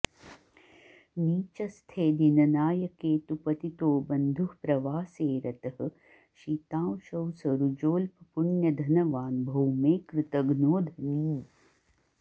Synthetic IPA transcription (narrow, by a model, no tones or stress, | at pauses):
niːt͡ʃɐst̪ʰeːd̪inɐnaːjɐkeːt̪upɐt̪it̪oːbɐnd̪ʱuhpɾɐʋaːseːɾɐt̪ɐɦɐ̆ | ʃiːt̪ãːwʃɐwsɐɾud͡ʒoːlpɐpuɳjɐd̪ʱɐnɐʋaːnbʱɐwmeːkɾɪt̪ɐɡnoːd̪ʱɐniː